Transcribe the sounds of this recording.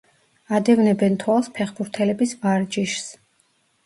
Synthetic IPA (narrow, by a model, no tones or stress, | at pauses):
ad̪ɛvnɛbɛnt̪ʰwalˠspʰɛχbuɾt̪ʰɛlɛbisvaɾd͡ʒiʃs